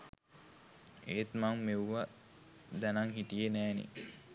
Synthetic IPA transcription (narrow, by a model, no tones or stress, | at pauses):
eːt̪maŋmewʋa | d̪ænaŋɦit̪ijenæːnḭ